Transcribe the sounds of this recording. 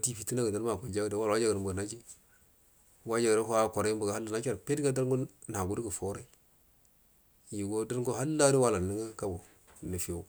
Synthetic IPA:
ti˦fi˨ti˦na˦ɡa˨da˦ɾa˨ko˨d͡ʒa˦ɡda˨wa˦lwa˦d͡ʒa˦ɡɾmbu˨na˦d͡ʒi˦ | wa˦d͡ʒa˨ɡɾa˦ɦa˦kʷo˨ɾa˨˦i˦m˦bu˨ɡa˨ha˦lːa˨na˦ka˦ɾpe˦tɡa˦da˦ɾɡu˦n˨a˨ɡu˦dɡə˨fo˦ɾa˦ | ji˨ɡo˦da˦ɾko˦ɦa˦lːa˦di˦wa˦la˨ni˨˦ŋa˦ka˦bo˨ | nə˨fi˦˨o˦

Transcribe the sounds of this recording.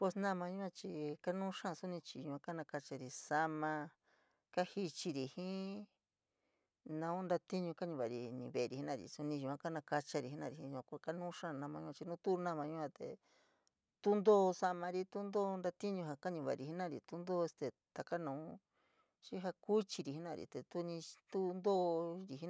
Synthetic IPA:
pwe˧snã˦˧mã˧ɲũ˦ã˧t͡ʃi˧ka˦nũː˦ʂã˦˧su˦nĩ˧t͡ʃi˧ɲũ˧˨ã˧ka˦nã˧ka˧t͡ʃa˧ɾi˧sa˧mã˧ | ka˦hi˧t͡ʃi˧ɾi˧hĩ˦ | nã˧ũ˦nd̪a˧t̪i˦ɲũ˧ka˦ɲũ˧βa˨ɾi˧nḭ̃˧˨βe˨˧ɾi˨hi˦nã˦˨ɾḭ˨su˧nĩ˧ʒũ˧˨ã˧˦ka˦nã˧ka˧t͡ʃa˧ɾi˧˨i˧˦nã˧˨ɾi˧ĩ˧˦ũ˧ã˧kka˦nũː˦ʂã˦˧nã˧mã˧ɲũ˧ã˧t͡ʃi˧nũ˦t̪u˦˧nã˦˨mã˧ɲũ˧ʔã˧t̪ḛ˨ | t̪u˦nd̪o˦˧sa˧mã˧ɾi˧t̪u˦nd̪o˦˧nd̪a˧t̪i˦ɲũ˧ɦa˧ka˦ɲũ˧βa̰˧˨˧ɾi˧ɦi˦nã˦˨ɾḭ˨t̪u˦nd̪o˦˧e˧st̪e˧˨ | t̪a˨ka˦nã˧ũ˦ | ʃi˦ɦa˧ku˦t͡ʃi˧ɾi˧˨i˦nã˦˨ɾḭ˨t̪e˨t̪u˦nĩ˧t̪u˦nd̪oː˦˧ɾi˧ɦi˦n˧

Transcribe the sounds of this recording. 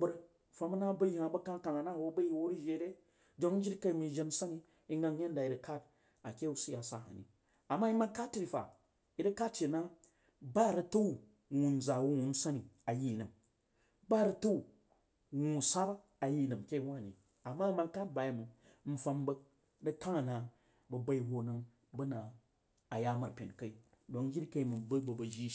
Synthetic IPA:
bɐ˦ɾ̩˦˨ | fa˧mɐ˦na˦bɐ˦ji˨a˨bɐ˦ka˦ka˨ŋa˨na˦˨wo˦bɐ˦ji˦wo˦ɾi˦ʒe˧˦ɾe˦ | d͡ʒo˦ŋn̩˦d͡ʒi˦ɾka˦i˨mi˨d͡ʒe˧n̩˦sa˦ni˦ | i˦ŋɡa˧ŋ˦je˦n˦da˨i˨ɾɐ˨ka˦t | a˨kʲe˦u˦si˦ja˨sa̰˨ha̰˨nḭ˨ | a˨mːa˦i˦ma˦ka˦tːi˦ɾi˨fa̰˨ | i˨ɾɐ˦ka˦t̚t͡ʃe˨na˦ | ba˦˨ɾɐ˧tu˦u˨ | wu˨n˨d͡za˨wu˦wu˨n˦sa˦ni˨a˨ji˦˨nɐ˨m | ba˦˨ɾɐ˧tu˦u˨ | wu˨sa˦b | a˨ji˦˨nɐ˨m˨kʲe˦i˦wa˦˨nḭ˨ | a˨mːa˦ma˧˦ka˦t̚ba˨ji˨mu˨ | m̩˦fa˧mbɐ˦ | dɐ˦ka˦ŋa˨na˨ | bɐ˨bɐ˧i˨ho˨nɨ˧ŋ | bɐ˦naː˨ | ja˦˨ma˨ɾpʲe˨n˨kɐ˦i˦ | do˨k̩˦ɡʲi˦ɾkɐ˦i˦mɨ˨bɐ˦bɐ˨bɐ˨ʒi˦

